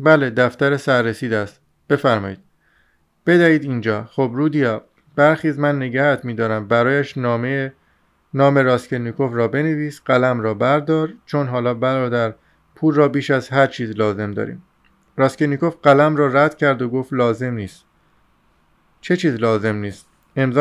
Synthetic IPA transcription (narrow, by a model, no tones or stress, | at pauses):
bæled̪æft̪æɾesæɾːesiːd̪æst̪ | b̥e̞fæɾmɒːiːd̪ | b̥e̞d̪æiːd̪iːnd͡ʒɒːxobɾuːd̪ijɒː | bæɾxiːzmænːe̞ɟæhæt̪ʰmiːd̪ɒːɾæmbæɾɒːjæʃnɒːme | nɒːme̞ɾɒːscenikʰo̞fɾɒːbe̞neviːsɢælæmɾɒːbæɾd̪ɒːɾt͡ʃʰonɦɒːlɒːbælɒːd̪æɾ | pʰuːlrɒːbiːʃæzhæɾt͡ʃʰiːzlɒːze̞md̪ɒ̰ːɾḭːm | ɾɒːskeniko̞fɢælæmɾɒːræd̪̥cʰæɾd̪oɡoːft̪lɒːze̞mniːst̪ | t͡ʃʰe̞t͡ʃʰiːzlɒːze̞mniːst̪ | e̞mzɒ